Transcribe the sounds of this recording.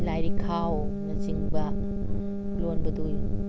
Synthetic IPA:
lajɾikʰawnɐsiŋbɐ | lonbɐduj

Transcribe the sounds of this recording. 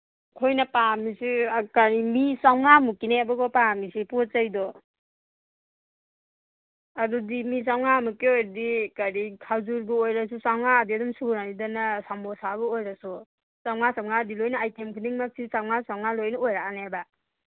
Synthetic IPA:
kʰojnapamisikaɾimisawŋamukinebaɡɔpamisipɔtzajdɔ | adudimis̬awŋamukeojɾadikaɾikʰawzuɾbuojɾasusawŋaːdiadɔmsunanidanasambɔsabɔojɾasu | sawŋasawŋadilojnaːjtʰemkʰudiŋmak̚sʰisawŋasawŋalojnaojɾaanaba

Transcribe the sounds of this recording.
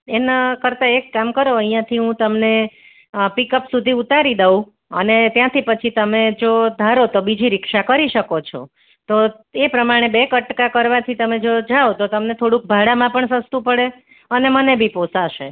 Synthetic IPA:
enakəɾt̪aekːamkəɾoəɦijãt̪ʰiɦũt̪əmne | pikəpsud̪ʱiut̪aɾid̪əũ | ə̰net̪jãt̪ʰipət͡ʃʰit̪əmed͡ʒod̪ʱaɾot̪obid͡ʒiɾɪkʃakəɾiʃəkot͡ʃʰo̰ | t̪o | epɾəmaɽ̃ebekəʈkakəɾʋat̪ʰit̪əmed͡ʒod͡ʒaot̪ot̪əmnet̪ʰoɽũk̚bʱaɽamãpəɳsəst̪ũpəɽe | ənemənebʱiposaʃe

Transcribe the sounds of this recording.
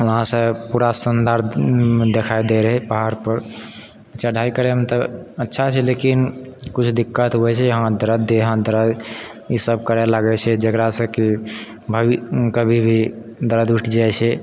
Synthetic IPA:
wəɦãsə̃puɾasənd̪aɾd̪ekʰajd̪eɾɦɛpaɦaɾpəɾ | ətːt͡ʃʰaɖʱaikəɾɛmet̪əətːʃʰat͡ʃʰɛlekinkut͡ʃʰd̪ikːət̪ɦuɛt͡ʃʰɛəɦãd̪əɾəd̪eɦãd̪əɾəisəb̚kəɾɛlaɡɛt͡ʃʰɛd͡ʒekɾasə̃ki | bʱəbikəbʱibʱi | d̪əɾəd̪uʈʰd͡ʒajt͡ʃʰɛ

